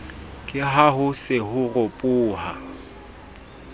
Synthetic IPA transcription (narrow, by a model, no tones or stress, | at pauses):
kʼɪɦahʊsɪhʊrʊpʼʊːha̰